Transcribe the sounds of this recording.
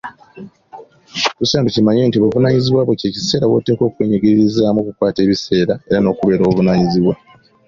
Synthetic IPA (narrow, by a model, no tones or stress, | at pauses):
kusaːnducimaɲe̞ːntiβuvunaːɲiziβwaːβwece̞ːci̥se̞ːɾawoːte̞ːko̞ːkweɲeɡeɾiɾizaːmokukwaːte̞ːβise̞ːɾae̞ɾano̞ːkuβe̞ːɾoːβuβunaːɲiziβwa